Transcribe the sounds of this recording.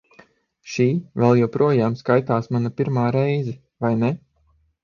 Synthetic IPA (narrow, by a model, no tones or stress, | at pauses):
ʃiːvɛlˠjɛwpɾuɔjaːmskajt̪aːsmanapiɾmaːɾɛjzɛ | vajnɛ